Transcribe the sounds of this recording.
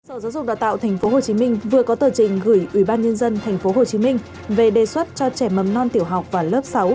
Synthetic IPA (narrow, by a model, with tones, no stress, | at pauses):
səː˧˩wzaː˨˦wzʊ˨˩k͡p̚ɗaː˨wt̪a̰ː˧˨wt̪ʰjŋ̟fo˨˦ɦo˨˩t͡ɕi˨˦mï˧ŋ̟vɨ˨˩əkɔ˨˦t̪əː˧˩t͡ɕḭ̈˧˩ŋ̟ɣɨ˧˩jʔwi˧˩ɓaː˧nɲə˧nzə˧nt̪ʰɛ˨˩jŋ̟fo˨˦ɦo˨˩t͡ɕi˨˦mï˧ŋ̟ | ve˨˩ɗe˨˩swə˦˥t̚t͡ɕɔ˧t͡ɕɛ˧˩mə˨˩mnɔ˧nt̪i˧˩əwɦa˨˩wk͡p̚vaː˨˩ləː˦˥p̚sa˨˦w